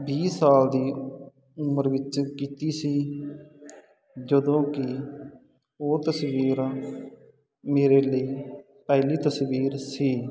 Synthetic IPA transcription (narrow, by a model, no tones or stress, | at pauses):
biːsaːld̪iː | ʊməɾʋɪt͡ʃkiːt̪iːsiː | d͡ʒəd̪õːkɪ | oːt̪əsʋiːɾ | meːɾeːləiː | pɛːliːt̪əsʋiːɾsiː